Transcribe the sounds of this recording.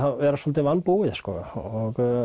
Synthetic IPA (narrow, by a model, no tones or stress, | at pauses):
aʋɛɾasvɔlt̪ɪvanpuɪðskɔɔk